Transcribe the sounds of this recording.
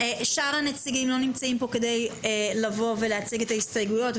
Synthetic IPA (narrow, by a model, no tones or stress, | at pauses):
eʃaʁanet͡siɡimlo̞nimt͡saimpo̞ke̞d̪e̞jelɐvo̞ve̞leat͡siɡe̞t̪ahistaɡujo̞t